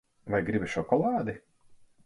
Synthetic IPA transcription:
vajɡɾibʲiʃɔkɔlˠɑːd̪i

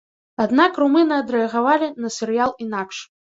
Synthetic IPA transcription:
ad̪nakrumɨnɐɐd̪ɾɛɐɣavalʲinɐsʲɛɾɨjalˠinakʂ

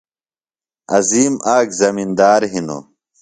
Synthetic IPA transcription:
ɐziːmaːkzɐmind̪aːɾɦino̰ː

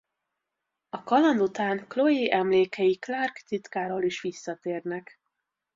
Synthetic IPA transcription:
ɒkɒlɒnd̪ut̪aːŋklojeʔɛmleːkɛjiklarkt̪it̪kaːɾoːliʃʋisːɒt̪eːrnɛk

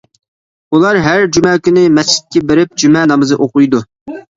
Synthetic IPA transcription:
ulˠɑɾɦæɾd͡ʒymɛːkʲynɪmɛst͡ʃːɪ̥t̪̚kʲɛbeɾɪp̚d͡ʒymɛnɑmɨzɨʔoqʊjd̪u

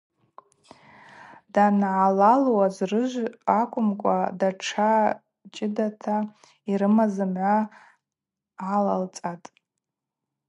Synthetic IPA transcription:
danʕalalwazrɨʒʷakʷʰʼʊmkʷʼa̰daʈ͡ʂʰa | t͡ʃʼɪdatʰa | iɾɨmazɨmʕʷa | ʕalalt͡sʼatʼ

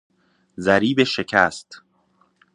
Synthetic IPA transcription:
zæɾiːbeʃe̞cʰæːst̪

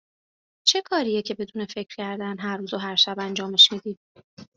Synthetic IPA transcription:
t͡ʃʰe̞kʰɒːɾijecʰe̞be̞d̪uːne̞fe̞cʰɾ̥cʰæɾd̪ænɦæɾːuːzoɦæɾʃæbænd͡ʒɒːmeʃmiːd̪iːd̪

